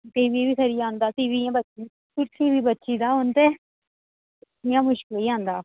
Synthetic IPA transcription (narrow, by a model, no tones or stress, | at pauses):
t̪eːbibiːkʰəɾijaːnd̪aːt̪iːʋiːjãːbətːt͡ʃi | ʊt̪ʰiːʋiːbətːʃiːd̪aːɦont̪eː | jãːmʊʃkɪliːãːnd̪aː